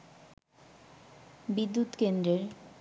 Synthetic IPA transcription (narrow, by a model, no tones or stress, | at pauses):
bid̪ːut̪kend̪ɾeɾ